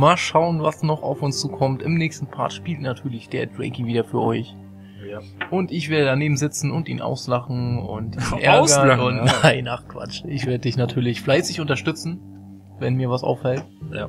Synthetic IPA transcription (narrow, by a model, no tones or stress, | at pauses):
maːlʃaʊənvasnɔχa̰ʊfʊnst͡suːkʰɔmtɪmnɛːçstn̩pʰa̰ːtʃpiːltnatʰyːɐlɪçd̥eːɐdʁɛ̰ɪkiviːdɐfyːɐʔɔ̰ʏç | ʔʊntɪçv̥eːɐɾədaneːbm̩zɪt͡sn̩ʊntḭːnʔa̰ʊslaχn̩ʊ̰ntʔiːnʔɛɐɡɐʊntnaɪnʔaχkv̥a̰t͡ʃɪçv̥eːɐdədɪçnatʰyːɐlɪçflaɪsɪçʊntɐʃtʏt͡sn̩ | vɛnmiːɐvasʔa̰ʊffɛlt